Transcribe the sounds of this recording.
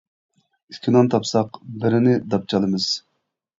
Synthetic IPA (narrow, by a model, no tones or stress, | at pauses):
y̥kʲʰːinɑnt̪ʰɑpsɑqbɪɾɪnɪd̪ɑp̚t͡ʃʰɑlˠɨmɨz̥